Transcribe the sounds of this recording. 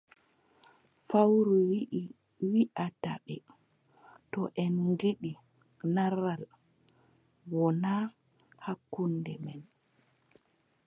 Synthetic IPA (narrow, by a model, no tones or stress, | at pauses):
fawɾuwʔ | wiʔata̰ɓɛ | tɔʔɛnɡiɗi | naɾal | wɔna | hakːundɛmɛn